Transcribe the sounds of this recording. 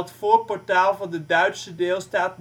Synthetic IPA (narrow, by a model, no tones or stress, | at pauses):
ətfɔːpɔɹtaːlˠvɑndədœɥtsədɪːlˠstaːt̚